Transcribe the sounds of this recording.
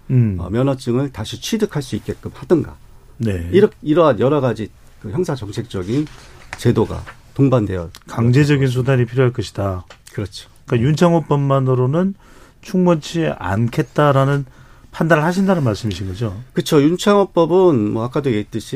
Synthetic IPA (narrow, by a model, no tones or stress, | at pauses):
ʌ̰mjʌnʌt͡ɕ͈ɯŋɯɭtaɕʰit͡ɕʰɥidɯkʰaɭs͈uit̚k͈e̞k͈ɯmhadɯnɡa̰ | ne̞iɾʌiɾʌɦanjʌɾʌɡad͡ʑi | kɯçjʌŋsʰat͡ɕʌŋt͡ɕʰek̚t͡ɕ͈ʌɡint͡ɕe̞doɡa̰toŋbandwe̞jʌkaŋd͡ʑe̞d͡ʑʌɡins̬ʰudaɲipʰiɾjoɦaɭk͈ʌɕʰi̥dakɯɾʌt͡ɕʰo̥ | k͈ajunt͡ɕʰaŋop͈ʌmmanɯɾonɯn | t͡ɕʰuŋmʌnt͡ɕʰia̰nkʰe̞t̚t͈aɾanɯn | pʰandaɾɯɭhaɕ̬ʰindanɯnmaɭs͈ɯmiɕʰinɡʌd͡ʑokɯt͡ɕʰojunt͡ɕʰaŋop͈ʌbɯnmʌak͈adeɡet͈ɯɕʰi